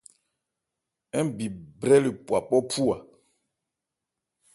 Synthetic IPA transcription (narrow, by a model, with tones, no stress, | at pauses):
ɛ˦bi˨bɾɛ˦li˨pwa˨pɔ˦pu˦a˨